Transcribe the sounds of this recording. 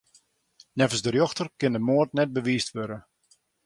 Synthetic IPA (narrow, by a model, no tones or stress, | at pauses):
nɛvəsdərjɔxtərkɪndəmoərtnɛt̚bəʋiːstʋøɾə